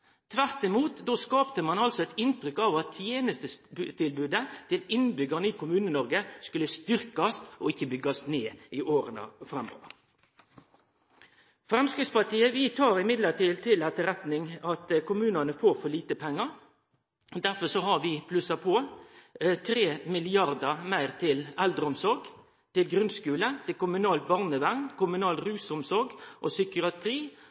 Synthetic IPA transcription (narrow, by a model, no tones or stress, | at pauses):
t̪ʰʋæʁt̪ɪmuːt̪d̪oːskɑːpt̪əmɑnɑlsɔɛt̪ɪnt̪ɾʏkɑʋɑt̪ʰːjeːnəst̪əsʉt̪ʰɪlbʉːd̪ət̪ʰɪlɪnbʏɡəʁnəiːkʰʊmʉːnənɔɾɡəskʉlːəst̪ʏɾkɑstʔɔɪçːəbʏɡɑsneːɪʔoːɾənɑ̰fʁɛmo̰ːə̰ | fɾɛmskɾɪt̪spɑt̪iːəʋɪt̪ʰɑːɾɪmɪd̪ləʈ̪ɪlt̪ʰɪlɛt̪ːəɾɛt̪nɪŋɑt̪kʰʊmʉːnɑnəfoːɾfɔɭiːt̪əpʰɛŋːɑɾ | d̪æʁfɔsɔɦɑʁʋɪpʰlʉsɑpʰɔː | t̪ʰɾeːmɪlɪɑʁd̪əmæɪʁt̪ʰɪlɛld̪ʁəʊmsɔɾɡ | t̪ɪlɡɾʉnskʉːlət̪ɪlkʊmʉnɑːlt̪̚bɑʁnəʋæŋkʊmʉnɑːlɾʉːsʊmsɔɾɡʔɔsʏkʊɑt̪ʰʁiː